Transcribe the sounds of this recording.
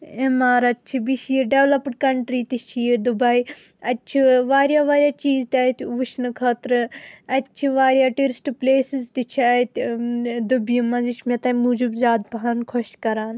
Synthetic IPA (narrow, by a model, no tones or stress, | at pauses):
emaːɾɐt̪̚t͡ʃʰibiʃijeɖeʋlɐpɖkɐɳʈɾiːt̪it͡ʃʰied̪ubai | ɐt̪t͡ʃʰiʋaːɾjaːʋaːɾjaːt͡ʃiːzt̪ɐt̪uːʃnɨkʰɐːt̪ɾɨɐt̪t͡ʃʰiʋaːɾjaːʈiɾɪsʈpleːsizt̪it͡ʃʰiɐt̪d̪ubijimɐ̃ziʃmẽt̪ɐmud͡ʒubzʲaːd̪̚bɐɦaːnkʰɔʃkɐɾaːn